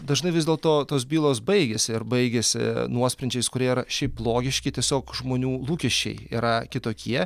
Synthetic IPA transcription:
d̪ɐʒnɐɪʋʲɪzd̪ʲeːlˠt̪oːt̪oːsbʲiːlˠoːsbɐɪɡʲesʲɪɪɾbɐɪɡʲesʲɪ̰nuɔsʲpʲɾʲɛnʲt͡ʃʲɛɪskʊɾʲiɛiɾɐʃʲɛɪplˠoːɡʲɪʃʲkʲɪtʲiɛsʲoːkʒmoːnʲuːlˠuːkʲɛʃʲt͡ʃʲɛ̰ɪḭːɾɐkʲɪt̪oːkʲiɛ

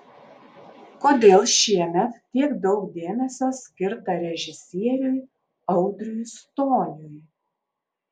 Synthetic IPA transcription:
koːd̪ʲeːlˠʃʲiɛmʲɛt̪tʲːiɛkd̪ɒʊkd̪ʲeːmʲɛsʲoːsʲkʲɪɾt̪ɐɾʲɛʒʲɪsʲiɛɾʲʊj | ɐʊd̪ʲɾʲujst̪oːnʲʊj

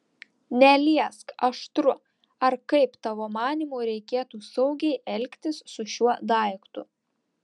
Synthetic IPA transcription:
nʲɛlʲiɛskɐʃt̪ɾʊ | ɐɾkɐɪpt̪ɑʋoːmɑːnʲiːmuːɾʲɛɪkʲeːt̪uːsɐʊɡʲɛɪʔɛlʲkʲt̪ʲɪsːʊʃʲuɔd̪ɐˑɪkt̪ʊ̰

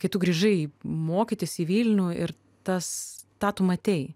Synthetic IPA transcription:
kɐɪt̪ʊɡɾʲiːʒɐɪmoːkʲit̪ʲɪsʲiːʋʲiːlʲnʲuɪɾ | t̪ɐst̪ɑːt̪ʊmɐɐt̪ʲɛj

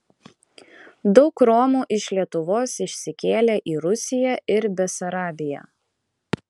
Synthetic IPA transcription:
d̪ɒʊkɾɔmuːʔɪʃlʲiɛt̪ʊʋoːsɪʃʲsʲɪkʲeːlʲeːʔiːɾʊsʲɪjɛɪɾbʲɛsɐɾɑːbʲɪjɛ̰ː

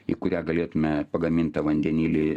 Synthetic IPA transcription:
ḭkʊɾʲæːɡɐlʲeːt̪ʊmʲɛpɐɡɐmʲint̪ɐʋɐnʲd̪ʲɛnʲiːlʲɪ

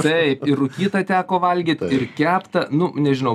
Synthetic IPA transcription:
t̪ɐɪpɪʊkʲiːt̪ɐt̪ʲæːkoːʋɐlʲɡʲiːt̪ʲɪrkʲæːpt̪ɐnʊnʲɛʒʲɪnɐʊ

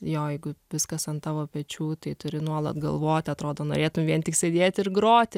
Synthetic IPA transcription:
joːjɛɪɡʊʋʲɪskɐsɐnt̪ɑːʋoːpʲɛt͡ʃʲuːt̪ɐɪt̪ʊɾʲɪnuɔlˠɐ̰t̪ɡɐ̰lˠʋoːt̪ʲɐt̪ɾoːd̪oːno̰ːɾʲeːt̪ʊmʋʲiɛntʲɪksʲɛd̪ʲeːt̪ʲɪrɡɾoːt̪ʲɪ

